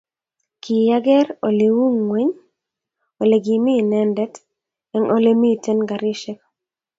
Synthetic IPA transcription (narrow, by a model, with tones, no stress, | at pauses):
ki˨ja˦ɡɛ˦ɾo˨le˨wu˦ŋwɛ˦ɲ | o˨le˨ɡi˨mi˦˨nɛ˦ndɛ˦t | ɛ˨ŋʔo˨le˦mi˦˨tɛ˦nɡa˨ɾi˦ʃɛ˦k